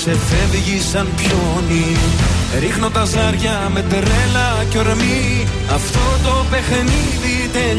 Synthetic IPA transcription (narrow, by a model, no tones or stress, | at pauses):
se̞feðʝisɐnpço | ni | ɾixnont̪ɐzɐɾʝɐ | me̞t̪ɾelɐ | co̞ɾmi | ɐft̪o̞t̪o̞pe̞xni | ðit̪e